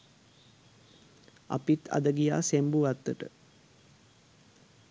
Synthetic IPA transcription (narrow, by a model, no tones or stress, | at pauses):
a̰pit̪a̰d̪əɡija̰ːsembuʋat̪ːəʈə̰